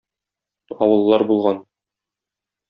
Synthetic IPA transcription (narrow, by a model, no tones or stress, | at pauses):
ɒwɤ̆lˠːɑɾbulˠʁɑn